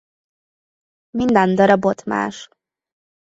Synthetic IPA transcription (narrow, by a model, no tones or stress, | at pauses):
mind̪and̪ɒɾɒbot̪ma̰ːʃ